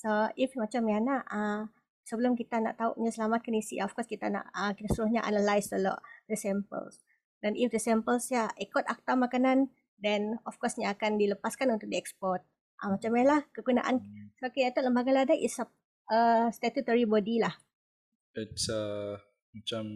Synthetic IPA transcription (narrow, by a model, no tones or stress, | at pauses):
soifmat͡ʃamanaʔə | səbəlʊmkit̪ana̰ʔt̪aṵʔɲasəlamat̪̚kanisḭaɔfkɔskit̪ana̰ʔəkit̪asuɾuhɲaʔa̰nalajst̪əlɔ̰ʔdəsɛmpə̰ls | danʔifdəsɛmpəlsjaɛkɔt̪ak̚t̪amakanan | dɛnɔfkɔsɲaːkandiləpaskanunt̪ʊk̚diɛkspɔrt̪̚ | ʔa̰mat͡ʃamjalahkəkuna̰ʔa̰nskeɛt̪ɔt̪ləmbaɡaladajʔisap̚ | əst̪ɛt̪ut̪əɹibɔdilah | ɛtsə | mat͡ʃam